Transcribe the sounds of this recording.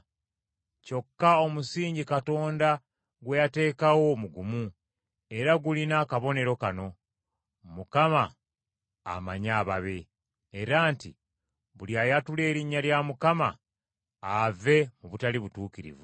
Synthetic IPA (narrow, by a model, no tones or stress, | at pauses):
co̞kːaomusiːɲɟikato̞ːnda | ɡwe̞jate̞ːkawo̞muɡumu | e̞ɾaɡulinaːkaβo̞ne̞ɾo̞kano̞ | mukama̰ː | maɲaːβaβe̞ː | ɾaːntḭ | βuljajatule̞ːɾiɲːaljamukama | ave̞muβutaliβutuːkiɾḭvu